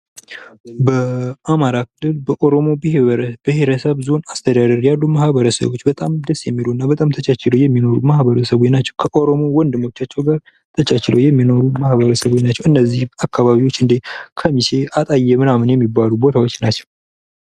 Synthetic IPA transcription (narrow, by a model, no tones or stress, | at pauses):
bəamaɾakʰɨlːɨlbəʔo̞ɾo̞mo̞biheɾbihe̞ɾəsəβzo̞nast̪ʰəd̪ad̪əɾjalːuməhβəɾəsə̰βo̞t͡ʃːbət̪ʼamd̪əsjɛmːiloɨnːabət̪ʼamt̪ʰət͡ʃat͡ʃɪlojɛmːino̞ɾumahβəɾəsəβot͡ʃnat͡ʃːɛwkʰəʔo̞ɾo̞mo̞wɔnd̪ɨmot͡ʃːat͡ʃːɛwɡaɾ | t̪ʰət͡ʃat͡ʃɪləwjɛmːino̞ɾumahβəɾəsəβot͡ʃnat͡ʃːɛwɨnːəzːihakːaβaβiwo̞t͡ʃːɨnd̪ekʰəmise̞ʔat̪ʼajːɛmɨnamɨnjɛmːibːalubo̞t̪ʰawo̞t͡ʃːnat͡ʃːɛ̥w